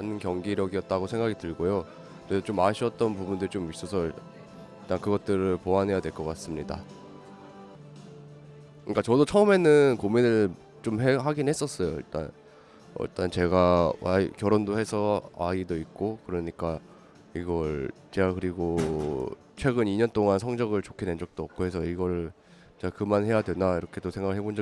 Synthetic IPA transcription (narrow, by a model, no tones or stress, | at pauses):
anɯnkjʌŋɡiɾʌɡiʌt̚t͈aɡosʰe̞ŋɡaɡʰitɯɭɡojo | t͡ɕedot͡ɕomaɕʰiʌt̚t͈ʌnpubundɯɾit͡ɕomis͈osʰʌ | iɭt͈ankɯɡʌt̚t͈ɯɾɯɭpoanɦe̞jadwe̞ɭk͈ʌk͈as͈ɯmɲida̰ | kɯɲik͈at͡ɕʌdot͡ɕʰʌɯme̞nɯnkominɯɭ | t͡ɕomɦeɦaɡinhe̞s͈ʌs͈ʌjoḭɭt͈a̰n | ʌ̰ḭɭt͈ant͡ɕe̞ɡawʔa̰kjʌɾondohe̞sʰʌaidoit̚k͈okɯɾʌɲik͈a | iɡʌɭt͡ɕe̞ɡakɯɾiɡo | t͡ɕʰwe̞ɡɯniɲʌnt͈oŋansʰʌŋd͡ʑʌɡɯɭt͡ɕokʰine̞nd͡ʑʌk̚t͈oʌk̚k͈ohe̞sʰʌiɡʌɾ | t͡ɕeakɯmanhe̞jadwe̞naiɾʌkʰe̞dosʰeŋɡaɡɯɭhɦebond͡ʑʌ